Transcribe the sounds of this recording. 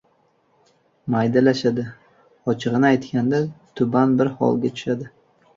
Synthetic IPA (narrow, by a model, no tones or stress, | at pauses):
majd̪alaʃad̪ɪ | ɒt͡ʃʰɨʁɨnɪajt̪kʲand̪at̪ʰʊbanbɪɾhɒ̰lˠɡʲat̪ʰʊ̥ʃad̪ɪ